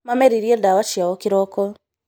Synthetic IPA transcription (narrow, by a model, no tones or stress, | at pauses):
mamɛɾiɾiɛndawat͡ʃiawɔkiɾɔkɔ